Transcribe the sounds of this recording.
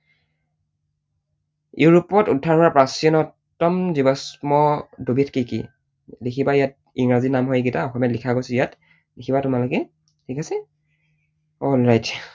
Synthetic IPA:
juɹɔpɔtudʱːaɹkɔɹapɹasiɔnɔtːɔmzibasmɔdobitkikḭ | likʰibajat̚ | iŋɹazinamɦɔjekitaɔxɔmjɛatlikʰakojsjat | likʰibatʊmalokɛ | tʰikasɛ | ɔlɹajt

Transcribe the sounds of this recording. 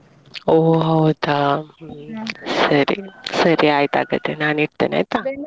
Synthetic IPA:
oɦawd̪a | səɾḭsəɾiajt̪a̰ɡət̪enaniʈ̚t̪ə̰na̰jt̪a

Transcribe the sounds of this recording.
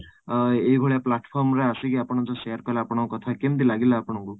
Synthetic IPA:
eiɡʱoɭijaplaʈpʰɔɾmɾeasikiapɔɽ̃ɔd͡ʒɔsejaɾpajlaːpɔɽ̃ɔkukɔt̪ʰakemd̪ilaɡilaːpɔɽ̃ɔŋku

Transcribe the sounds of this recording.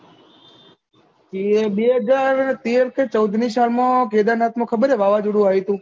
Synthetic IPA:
t͡ʃieɓeːɦəd͡ʒaːɾt̪eːɾkʰet͡ʃəwd̪ʱnisalmãːkeːd̪anaːt̪mãkʰəbəɾeʋaːʋad͡ʒuɽũaːɦit̪ũː

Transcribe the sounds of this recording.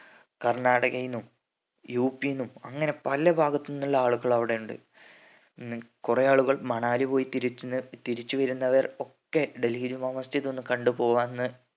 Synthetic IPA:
kɐrɳaːɽɐɣɐjnːum | juːpːijnumɐŋːɐne̞pɐlɐbʱaːɡɐt̪ːnːɐlːɐaːɭuɣɐɭɐʋiɽe̞juɳɖɨ̰ | kurejaːɭuɣɐɭmɐɳaːlipo̞ːjit̪iɾit͡ɕːut̪iɾit͡ɕːuʋɐɾunːɐʋɐro̞kːe̞ɖelid͡ʑumɐmɐst̪ʰiðo̞nːukɐɳɖupo̞ːʋaːnnːɨ

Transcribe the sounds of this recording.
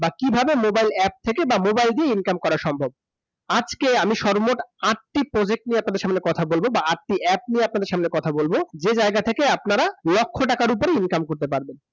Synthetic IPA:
bakibʱabemobajlɛp̚t̪ʰekebamobajld̪ieinkamkɔɾaɾʃɔmbʱob̚ | ad͡ʑkeamiʃɔɾmoʈaʈʈipɾod͡ʑek̚ʈnieap̚nad̪eɾʃamneɾkɔt̪ʰabolbobaaʈʈiʔɛp̚nieapnad̪eɾʃamneɾkɔt̪ʰabolbod͡ʑed͡ʑaeɡat̪ʰekeapnaɾalokʰːoʈakaɾup̬oɾeinkamkoɾt̪epaɾben

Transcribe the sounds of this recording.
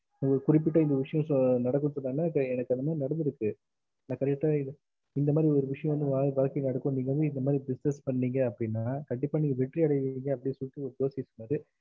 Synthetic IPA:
nɐɔɾɯkʊɾɪp̬ːɪʈ̬ːɐɪnd̪ɐʋɪʂɐjɔ̃sɔnɐɽɐkːɯ̃nsɔnːaːnːaːɛnɐkːɐnd̪ɐmaːd̪ɾinɐɽɐnd̪ɯɾɯkːɯ | naːkɐɾt͡ʃʈːaɪ | ɪnd̪ɐmaːd̪ɾiɔɾɯʋɪʂɐjɐ̃ʋɐnd̪ɯʋaːʋaːlkɪnɐɽɐkːõniːŋɡɐɐnɯɪnd̪ɐmaːd̪ɾiɖɪsnɐspɐɳːiːŋɡɐːpːɐɽɪnːaːkɐɳɖɪpːaːnːɪŋɡɐʋɛʈːriɐɽɐʋiːŋɡɐːpːɐɽɪsɔlːɪt̪ːɯɔɾɯd̪oːsiɐsʊnːaːɾɯ

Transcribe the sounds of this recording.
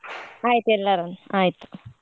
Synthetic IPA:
ajt̪elːaɾanajt̪

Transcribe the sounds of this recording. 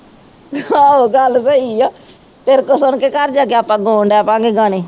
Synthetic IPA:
aːoːɡəlsəiːaː | t̪eɾkoːsʊɳkeːkəɾd͡ʒaːkeaːpãːɡoːɳɖɛːpãːɡeːɡaːɽeː

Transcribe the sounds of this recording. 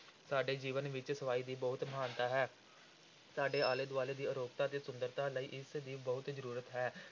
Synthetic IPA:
saːɖeːd͡ʒiːʋənʋɪt͡ʃsəaːiːd̪iːbəɦʊt̪maːnt̪aːɦɛː | saːɖeːaːleːd̪ʊaːleːd̪iːəɾoːk̚t̪aːət̪eːsʊnd̪əɾt̪aːləiːʔɪsd̪iːbəɦʊt̪zəɾuːɾət̪ɦɛː

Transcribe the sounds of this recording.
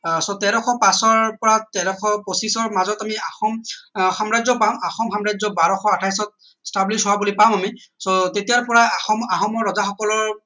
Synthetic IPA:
sɔtɛɾɔxʰɔpasɔɹpɔɹatɛɾɔkʰɔposisɔɹmazɔtamiaxɔmxamɹazɔpamaxɔmxamɹajd͡ʒzɔbaɹɔxɔatʰajs̬ɔt̚ | stablisɦʊwabulipamamisɔtetijaɹpɔɹaaxɔmaxɔmɔɹːɔzaxɔkɔlɔɹ

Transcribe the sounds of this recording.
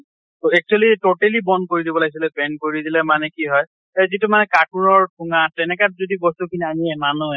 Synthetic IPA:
toɛk̚t͡ʃualitoʈelibɔndkoɹidibɔlaɡis̬ilɛpɛnkoɹiidilɛmanɛkiɦɔj | ɛzitumanɛkaʈ̚nuɹɔɹtʰuŋatɛnɛkat̚zodibɔsnukʰiniamiɛmanu

